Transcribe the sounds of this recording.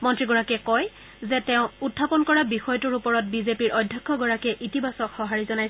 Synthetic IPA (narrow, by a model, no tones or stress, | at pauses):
mɔntɹiɡɔɹakɛkɔj | zɛtɛʊ̃utʰːapɔnkɔɹabixɔjtuɹupɔɹɔt̚bizepiɹɔdʱjakʰːɔɡɔɹakɛʔitibasɔkxɔɦaɹizɔnaj